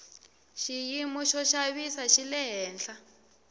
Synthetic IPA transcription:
ʃijimɔʃɔʃaβisaʃilɛɦɛːnɬa

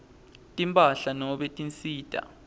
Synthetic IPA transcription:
tʼimpʼaɬanɔɓetʼint͡sʼiːtʼa̰

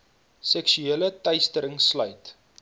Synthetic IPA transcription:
sɛkʃyiələtɐjstəɾəŋslœɥt

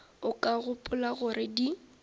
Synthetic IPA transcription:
ʊkʼaɣʊpʼʊlaɣʊɾɪdi

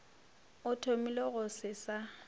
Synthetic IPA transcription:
ʊtʰomileɣʊsɪsa

